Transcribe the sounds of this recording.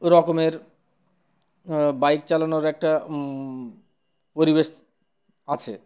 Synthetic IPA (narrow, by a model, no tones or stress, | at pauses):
ɾɔkomeɾ | bajk̚t͡ɕalanoɾɛk̚ʈa | poɾibeʃ | at͡ɕʰḛ